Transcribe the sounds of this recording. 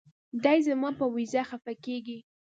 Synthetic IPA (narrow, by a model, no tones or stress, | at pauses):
d̪ajzamɑpəwizaxafakeɡi